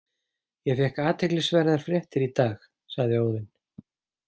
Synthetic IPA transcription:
jɛfɛhkaːt̪ʰɛjklɪsvɛːɾɪðaɾ̥fɾjɛht̪ɪɾit̪aːx | saɣðɪoːwðɪn

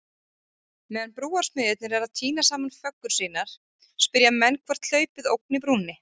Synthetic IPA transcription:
mɛːðanpɾuːaɾsmʏːðɪt̪̚nɪɾɛɾaðt̪ʰiːnasaːmanfœkːʏɾ̥siːnaɾ̥ | spɪɾjamɛnːkʰvaɾ̥t̪ʰl̥œːɥpɪðowk̚nɪp̬ɾuːnɪ

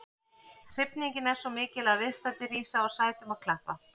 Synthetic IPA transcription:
r̥ɪpniɲcɪnɛɾ̥sɔmɪːcɪlaðvɪðst̪ant̪ɪriːsaɔɣsaːjt̪ʏmaðkʰlahpa

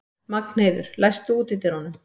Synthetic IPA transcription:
makn̥eːjðʏɾ̥lajst̪ʏuːt̪ɪt̪ɪɾhɔnʏm

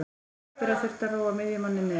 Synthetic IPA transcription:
ɪɾaθɛr̥t̪araːwamɪðjɪmanːɪnːɪ

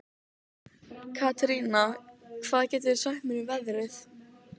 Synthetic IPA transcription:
kʰat̪ɾiːnakʰv̥aːðacɛːt̪̬ɪɪsahmɪnivɛðɾɪθ

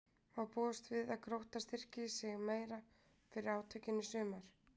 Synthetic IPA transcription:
awpɔːʏst̪vɪðaðkʰɾowht̪ast̪ɪr̥cɪːsɪɣmeːjɾa | fɪɾɪɾaːwt̪ʰœɥcɪnʏsʏːmaɾ̥

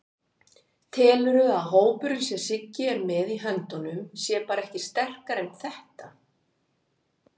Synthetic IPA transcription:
t̪ʰɛːlʏɾʏðaðɦoːwpʏɾʏsjɛ̥sɪcːɪɛɾmɛðiɦœnt̪ɔnʏmsjɛpaːɾaɛhcɪst̪ɛr̥kaɾɛnθɛht̪a

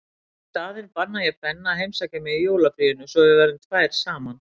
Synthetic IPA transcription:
t̪aːðɛɾpanːajɛɣpɛnːaɦejmsaːcɪmɛðijoːwlafɾiːðʏnʏsɔɣvɪvɛːɾʏmt̪ʰvaːjɾ̥saːman

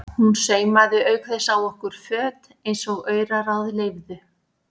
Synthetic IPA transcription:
hunseːjmaðʏœɥkθɛsawɔhkʏɾ̥fœːt̪ | ejnsɔɣœːɥɾarawðɪleːjvðʏ

